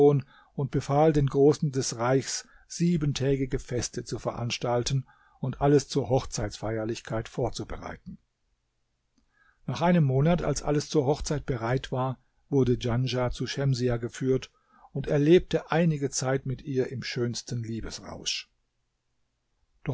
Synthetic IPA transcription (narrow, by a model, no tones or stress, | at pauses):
oːn | ʊnt̚b̥əfaːldeːnɡʁoːsn̩dɛsʁaɪçs | z̥iːbəntʰɛːɡɪɡəfɛstʰət͡sufɛɐʔa̰nʃtaltn̩ | ʊntʔaləst͡suːɐɦɔχt͡saɪt͡sfaɪɐlɪçkʰaɪtfoːɐt͡subəʁa̰ɪtn̩ | naːχʔaɪnəmːoːnata̰lsʔa̰ləst͡suːɐɦɔχt͡saɪt̚b̥əʁaɪtv̥aːɐ | vʊɐdəd͡ʒanʒat͡suʃɛmziaɡəfyːɐt | ʊntɛɐleːp̚təʔaɪnɪɡət͡saɪtmɪtʔiːɐʔɪmʃøːnstən̩liːbəsʁa̰ʊʃ | d̥ɔ